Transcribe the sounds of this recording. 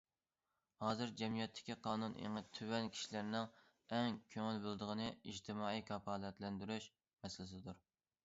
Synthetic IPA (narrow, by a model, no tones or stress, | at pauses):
hɑːzɨɾd͡ʒɛmijɛt̪ʰːɪ̥kʲiqʰɑːnunʔḛŋət̪ʰywɛnkʲʰi̥ʃilæɾnɪŋ | ɛŋkʲʰøŋylbølˠd̪əʁənɨid͡ʒt̪ʰɪmɑːikʰɑpʰɑːlˠɛt̪lɛnd̪yɾyʃ | mɛsɪlɪsɪd̪uɾ